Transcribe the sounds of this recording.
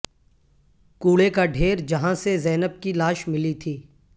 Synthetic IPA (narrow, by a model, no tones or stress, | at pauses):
kuːɭekaɖʱeːɾd͡ʒɐɦãsezɛːnəb̚kilaːʃmɪlit̪ʰiː